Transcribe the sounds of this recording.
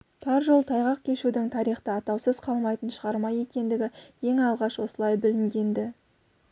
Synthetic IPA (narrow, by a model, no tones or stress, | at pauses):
t̪ʰɑɾʒolˠt̪ʰɑjʁɑqkʲʰe̞ʃud̪ɪŋt̪ʰɑɾijχt̪əɑt̪ɑwsəzqʰɑlˠmɑjt̪ənʃəʁɑɾmɑje̞kʲe̞nd̪ɪɡʲɪje̞ŋɑlˠʁɑʃwo̞səlˠɑjbɪlɪŋɡʲe̞nd̪ɪ